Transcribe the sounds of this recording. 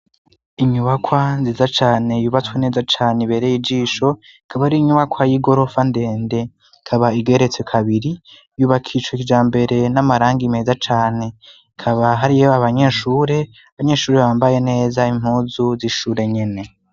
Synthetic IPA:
iɲuβakwanziːzat͡ʃaːne̞juβat͡swene̞ːzat͡ʃaːneβe̞ɾejid͡ʒiːʃo̞ | ikʰaβahiɾiːɲuβakʰwajiɡo̞ɾo̞fande̞ːnde̞ | ikʰaβaiɡe̞ɾet͡swekʰaβiɾi | juːβakʰiʃwoikid͡ʒaːmbe̞ɾe̞namaɾaːŋɡime̞ːzat͡ʃaːne̞ | kʰaβaɦaɾijoaβaɲe̞ːʃuːɾe̞ | aβaɲe̞ːʃuːɾeβaːmbaje̞ne̞ːzaim̥huːzuziʃuːɾe̞ɲe̞ne̞

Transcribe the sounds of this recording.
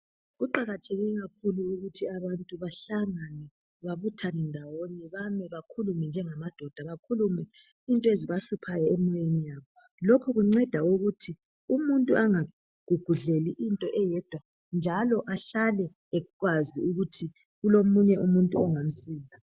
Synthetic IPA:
ɣuǃaɣatʰeɣiɛɣak̚ʰuluuɣutʰiaβantʼuβaɬaŋanɛ | βaβutʰanɛndʱawonɛβamɛβakʰulumɛnd͡ʒʱɛŋamad̥ʱɔd̥ʱaβakʰulumɛ | intʼɔeziβaɬupʰajɔɛmɔjenijaːβɔ | lɔkʰɔɣuŋ͡ǀɛd̥ʱauɣutʰi | umuntʼuʔaŋa | ɡ̥ʱuɡ̥ʱuɮeliʔintʼɔʔɛjɛd̥ʱwa | nd͡ʒʱalɔʔaɬalɛː | ɣwaziuɣutʰi | ɣulomuɲɛʔumuntʼuɔŋam̩siːza

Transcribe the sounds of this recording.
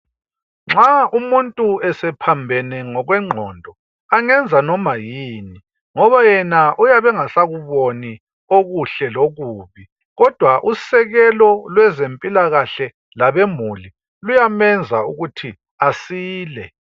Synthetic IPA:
ŋ͡ǁʱaumuntʼuɛsɛpʰambʱɛnɛŋɔɣwɛŋ͡ǁʱɔndʱɔ | aŋɛnd͡zʱanɔmajiːni | ŋɔβajɛnaʔujaβɛŋasaɣuβoni | oɣuɬɛloɣuːβi | ɣɔd̥ʱwaʔusɛɣɛlɔlwɛzempʼilaɣaɬɛ | laβemuli | lujamɛnd͡zʱauɣutʰi | asiːlɛ

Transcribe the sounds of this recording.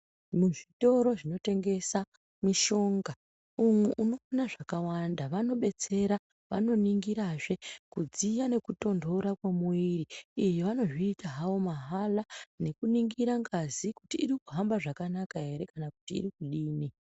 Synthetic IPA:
muʐito̞ɾo̞ʐino̞te̞ŋɡe̞sa | miʃo̞ŋɡa | umeʔuno̞anaʐakawandaʋano̞ɓe̞t͡se̞ɾa | ʋa̰no̞niŋɡiɾaʐe̞kud͡zijane̞kuto̞ndo̞ɾakwamuwiriijeʋano̞ʐiːtaɦawo̞maɦalane̞kuniŋɡiɾaŋɡazikutiːɾikuɦambaʐakanakaɦe̞ɾe̞kanaku̥tḭːɾikuɗiːni

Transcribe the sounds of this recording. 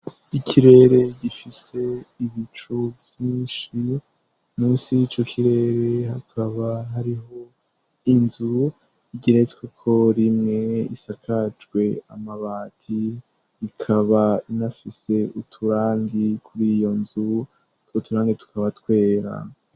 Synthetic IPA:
ikʰiɾe̞ɾe̞ɟifise̞iβit͡ʃuvjiːnʃi | nusit͡ʃokʰiɾe̞ɾe̞hakʰaβaɦaɾiɦo̞ | inzu | iɡiɾetwekʰo̞ɾimŋe̞ḭsakʰad͡ʒɡwe̞a̰maβaːtʰiː | kʰaβainafise̞utʰuɾaːŋɡikuɾiːjo̞nzu | utuɾaːŋɡitu̥kʰaβatwe̞ːɾa̰

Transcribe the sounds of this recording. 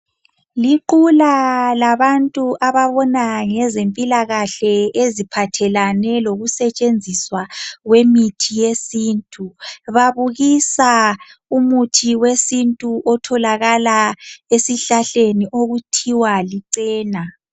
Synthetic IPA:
liǃulalaβantʼuʔaβaβɔnaŋɛzempʼilaɣaɬɛezipʰatʰɛlanɛloɣusɛt͡ʃʼend͡zʱiswaɣwemitʰijesiːntʼuβaβuɣisaumutʰiwesintʼuʔɔtʰɔlaɣalaesiɬaɬeniʔoɣutʰiwaliǀɛːna

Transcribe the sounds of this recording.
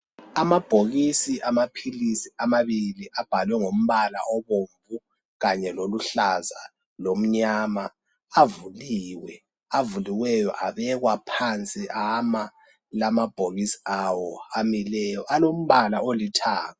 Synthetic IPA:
amab̥ʱoɣisiʔamapʰilisiamaβiliʔab̥ʱalwɛŋom̩βala̰ʔɔβoːɱvu | ɣaɲɛloluɬaza | lom̩ɲaːmaː | vuliːwɛ | avuliwɛjɔʔaβɛɣwapʰant͡sʼiʔama | lamab̥ʱoɣisi̥awɔamilɛjɔʔalom̩βalaolitʰaːŋɔ

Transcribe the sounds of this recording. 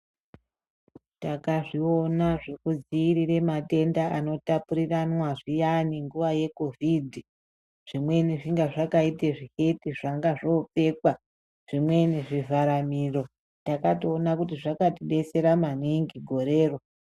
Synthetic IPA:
takaʐio̞naʐe̞kud͡ziːɾiɾe̞mate̞ndaano̞tapuɾiranwaʐijaniŋɡuʋaje̞ko̞vidʱi | ʐ̥imwe̞niʐiŋɡaʐakaite̞ʐihe̞tiʐaŋɡaʐo̞p͡fe̞kwa | ʐ̥imwe̞niʐivaɾamiro̞ | takatoːnakutiʐakatiɗe̞se̞ɾamaniŋɡiɡʱo̞ɾe̞ːro

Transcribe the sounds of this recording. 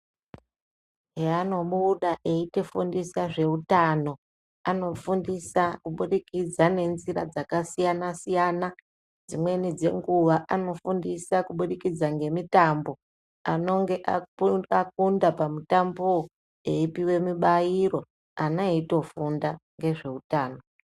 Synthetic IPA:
ɦeano̞ɓuɗaʔeite̞fundisaʐe̞utano̞ | ano̞fundisakuɓuɗikid͡zane̞nziɾa̰d͡zakasijanasijana | d͡zimwe̞nid͡ze̞̰ŋɡuʋaʔano̞fundisakuɓuɗikid͡zaŋɡe̞mitambo̞ | ano̞ŋɡe̞ʔauak̚undapamutambu | eipiwe̞miɓaiɾo̞ | anaito̞fundaŋɡe̞ʐe̞utaːno̞

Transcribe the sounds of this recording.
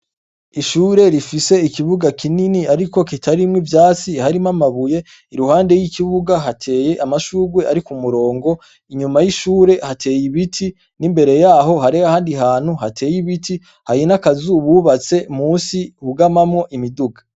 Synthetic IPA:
iʃuːɾe̞ɾifise̞ikiβuɡakʰininiaɾiko̞kitʰaɾimŋivjaːt͡sihaɾimamaβuje̞ | iɾuhaːnde̞jikiβuɡaɦatʰe̞ːje̞ʔamaʃuːɡwe̞ʔaɾikumuɾo̞ːŋɡo̞ | iɲumajiʃuːɾe̞hatʰe̞ːjiβitʰi | nimbe̞ɾe̞jaːɦo̞ɦaɾeahaːndiɦaːn̥huhatʰe̞ːjiβiti | hajinakazuβuːβat͡se̞muːsiuɡamamŋo̞ʔimiduɡḁ

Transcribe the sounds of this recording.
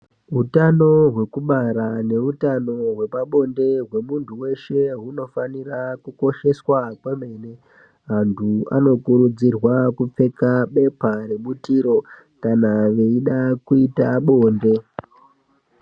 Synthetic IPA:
ɦutano̞ɦwe̞kuɓaɾane̞utano̞ɦwe̞paɓo̞nde̞ɦwe̞muntʰuwe̞ʃe̞ɦuno̞fanirakuko̞ʃe̞swakwemene | ɦantʰua̰no̞kuɾud͡zirwakup͡fe̞kaɓe̞paɾeɓutiɾo̞ | kanaʋe̞iɗakuitaɓo̞ːnde̞

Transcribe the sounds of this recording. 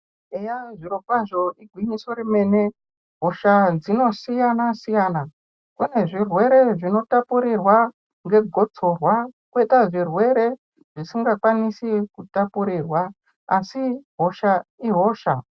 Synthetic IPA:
ejaʐiɾo̞kwaʐo̞ʔiɡʱwiɲiso̞ɾime̞ne̞ | ɦo̞ʃad͡zino̞sijanasijaːna | kune̞ʐirwe̞ɾe̞ʐino̞tapuɾirwa | ŋɡe̞ɡʱo̞t͡so̞rwakuwetaʐirwe̞ɾe̞ | ʐ̥isiŋɡakwanisikutapuɾiːrwa | asiɦo̞ʃaiɦo̞ːʃa

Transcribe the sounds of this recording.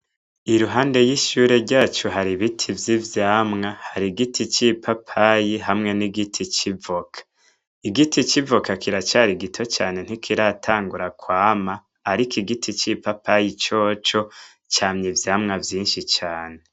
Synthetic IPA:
iɾuɦaːnde̞jiʃuːɾe̞ɾɟaːt͡ʃuɦaɾiβitʰivjivjaːmŋahaɾiɡitʰit͡ʃipʰapʰajiɦamŋe̞niɡitʰit͡ʃivokʰḁ | iɡitʰit͡ʃivokakʰiɾat͡ʃaːɾiɡitʰo̞t͡ʃaːne̞n̥hikʰiɾatʰaːŋɡuɾakwaːmaː | ɾikʰiɡitʰit͡ʃipapʰajit͡ʃo̞ːt͡ʃo̞ | t͡ʃaːmɲivjaːmŋavjiːnʃit͡ʃaːne̞

